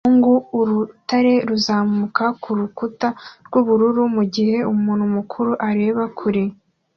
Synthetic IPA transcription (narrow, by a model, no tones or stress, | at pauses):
ŋɡuuɾutaɾe̞ɾuzaːmukakʰuɾukutaɾɡ̥uβuɾuɾumuɟihe̞umuːn̤umukʰuɾuʔaɾe̞ːβakʰuɾi